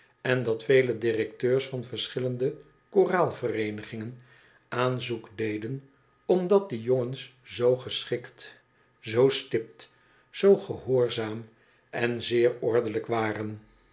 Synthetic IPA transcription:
ɛndɑtfejlədɪrɛktøːɹsfɑnvəɹsχɪləndə | koraːlˠvərejnəχɪŋən | aːnzukdejdən | ɔmdɑt̚dəjoŋənszowχəsχɪkt | zowstɪp̚t | z̥owχəɦʊːɹzaːm | ɛnzɪːɹɔɹdələkʋaːrən

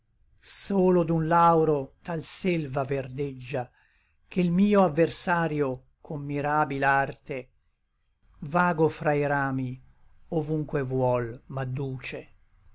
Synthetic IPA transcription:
soːlod̪unlawɾot̪alselvaverd̪ed͡ʒːa | k̟elmiːoavːersaːɾjo | kʰomːiɾaːbilart̪e | vaːɡofɾaiɾaːmi | ovuŋkwevwɔlmad̪ːuːt͡ʃe

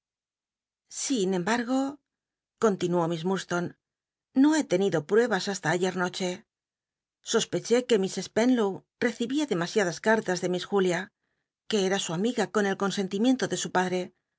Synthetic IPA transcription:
sinẽ̞mbaɾɣo̞ | ko̞nt̪inuo̞mizmust̪o̞nː | o̞e̞t̪e̞niðo̞pɾwe̞βasast̪aːʝe̞ɾno̞t͡ʃe̞ | so̞spe̞t͡ʃe̞ke̞mise̞spe̞nlow | re̞θiβiaðe̞masjaðaskaɾt̪azðe̞misxulja | ke̞eɾasuamiɣako̞ne̞lko̞nse̞nt̪imje̞nt̪o̞ðe̞supaðɾe̞

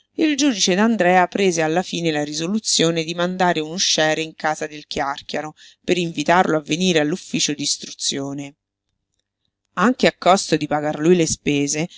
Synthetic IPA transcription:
ild͡ʒuːd̪it͡ʃed̪and̪ɾɛːapɾeːzealːafiːnelaɾizolut̪sːjoːned̪imand̪aːɾeunuʃːɛːɾeiŋkaːzad̪elkjarkjaɾopeɾiɱvit̪arloavːeniːɾealːufːiːt͡ʃod̪iːst̪ɾut̪sːjoːne | aŋkeakːɔst̪od̪ipaɡarlujlespeːze

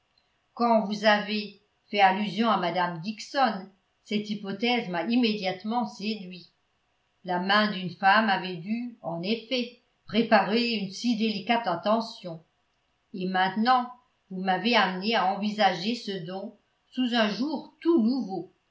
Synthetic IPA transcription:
kɑ̃vuzave | fɛalyzjɔ̃amad̪amd̪iksɔn | sɛt̪ipɔt̪ɛzmaimed̪jat̪mɑ̃sed̪ɥi | lamɛ̃d̪ynfamavɛd̪yɑ̃nefɛ | pχepaʁeynsid̪elikat̪ɛ̃t̪ɑ̃sjɔ̃ | emɛ̃t̪nɑ̃ | vumaveamneaɑ̃vizaʒesəd̪ɔ̃ | suzɛ̃ʒuʁt̪unuvo

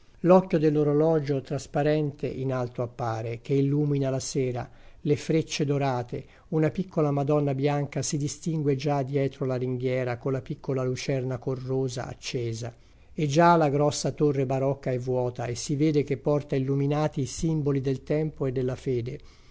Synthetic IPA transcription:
lɔkːjod̪elːoɾolɔːd͡ʒot̪ɾaspaɾɛnt̪eʔinalt̪oapːaːɾek̟eilːuːminalasɛːɾa | lefɾet͡ʃːed̪oɾaːt̪e | unapikʰːolamad̪ɔnːabjaŋkasid̪ist̪iŋɡwed͡ʒad̪jɛːt̪ɾolaɾiŋɡjɛːɾakolːapikʰːolalut͡ʃɛrnakorːoːza̰a̰t͡ʃːɛːza | ed͡ʒalaɡɾɔsːat̪orːebaɾɔkːaɛvːwɔːt̪aesːivɛːd̪ekepːɔrt̪ailːuminaːt̪iːsimbolid̪elt̪ɛmpoed̪ːelːafɛːd̪e

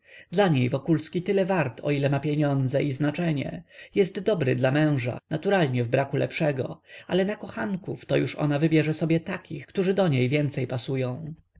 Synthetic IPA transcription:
d̪laɲejvɔkulskʲit̪ɘlɛvaɾt̪ʰɔ̰ilɛmapʲjeɲɔnd̪zɛʔiznat͡ʂɛɲɛ̰jɛst̪d̪ɔbɾɘd̪lamɛ̃w̃ʐa̰nat̪uɾalɲɛvbɾakulɛ̰pʂɛɡɔ̰alɛnakɔxankuft̪ɔjuʂɔ̰navɘbʲjɛʐɛsɔbʲjɛt̪akʲixkt̪uʐɘd̪ɔɲejvʲjɛnt̪sɛjpasujɔ̃w̃

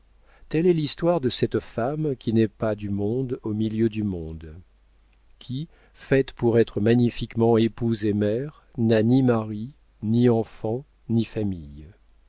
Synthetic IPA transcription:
t̪ɛlɛlist̪waʁd̪əsɛt̪famkʲinɛpad̪ymɔ̃d̪omiljød̪ymɔ̃d̪ | kʲʰi | fɛt̪puʁɛt̪χəmaɲifikmɑ̃epuzemɛʁ | nanimaʁi | niɑ̃fɑ̃ | nifamij

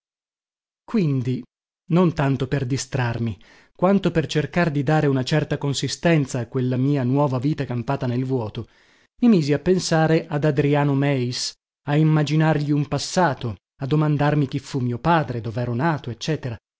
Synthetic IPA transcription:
kwind̪i | nont̪ant̪operd̪ist̪ɾarmi | kwant̪opert͡ʃerkard̪id̪aːɾeunat͡ʃɛrt̪akonsist̪ɛnt̪saːkːwelːamiːanwɔːvaviːt̪akampaːt̪anelvwɔːt̪o | mimiːziapːensaːɾeʔad̪ad̪ɾiaːnomɛis | aimːad͡ʒinarʎiumpasːaːt̪o | ad̪ːomand̪armik̟ifːumːiːopaːd̪ɾed̪oːveɛːɾonaːt̪oet͡ʃːɛːt̪eɾa

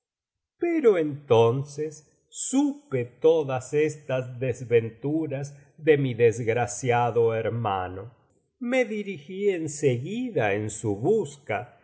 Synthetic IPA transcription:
peɾoent̪onsesː | upet̪oðasest̪azðezβent̪uɾaz | ðemiðezɣɾasjaðoeɾma̰no̞ | meðiɾixienseɣiðaensuβuska

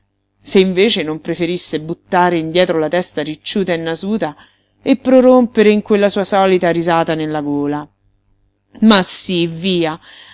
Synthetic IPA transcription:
seiɱveːt͡ʃenompɾefeɾisːebut̪ːaːɾeind̪jɛːt̪ɾolat̪ɛst̪aɾit͡ʃːuːt̪aenːazuːt̪a | epːɾoɾompeɾeiŋkwelːasuːasɔːlit̪aɾizaːt̪anelːaɡoːla | masːiviːa

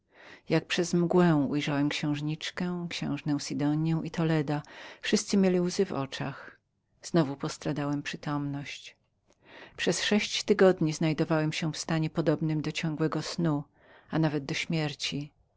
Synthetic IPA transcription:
jak̚pʂɛzmɡwɛw̃ujʐawɛmkɕɛ̃w̃ʐɲit͡ʂkɛkɕɛ̰̃w̃ʐnɛ̃w̃sʲid̪ɔɲjɛ̃w̃ʔit̪ɔlɛd̪afʂɘst̪sɘmʲjelʲiwzɘvɔ̰t͡ʂa̰x | z̥nɔvupɔst̪ɾad̪awɛmpʂɘt̪ɔmnɔɕt͡ɕ | pʂɛsʂɛɕt͡ɕt̪ɘɡɔd̪ɲiznajd̪ɔvawɛmɕɛ̃fst̪aɲɛpɔd̪ɔbnɘmd̪ɔt͡ɕɔ̃ŋɡwɛɡɔsnu | anavɛd̪̚d̪ɔɕmʲjɛɾt͡ɕi

